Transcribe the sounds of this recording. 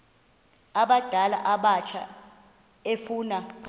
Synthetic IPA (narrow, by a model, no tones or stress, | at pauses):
aɓad̥ʱala̰ʔaɓat͡ʃʰa̰ | efuːna